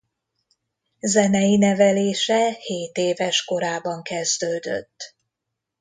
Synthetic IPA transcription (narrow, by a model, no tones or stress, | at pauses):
zɛnɛjinɛvɛleːʃɛheːt̪eːvɛʃko̞ɾaːbɒŋkɛzd̪øːd̪ø̰t̪ː